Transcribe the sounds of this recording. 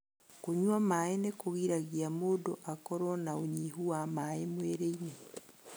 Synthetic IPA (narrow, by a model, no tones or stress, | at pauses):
kuɲwamaenekoɣiɾaɣiamodoʔakɔɾɔnaoɲiɦuwamaemweɾeine